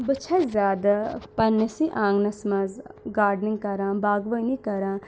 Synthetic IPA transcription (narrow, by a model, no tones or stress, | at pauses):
bət͡ʃʰɐzʲjaːd̪apɐnːesiʔãːŋɡnɐsmɐzɡaːɾɖnɪ̃ŋɡkɐɾãːbaːɡʋəinĩːkɐɾãː